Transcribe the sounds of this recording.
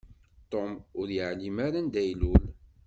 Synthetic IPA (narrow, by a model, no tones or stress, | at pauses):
t̪omʊɾjəʕlimaɾænd̪æjlul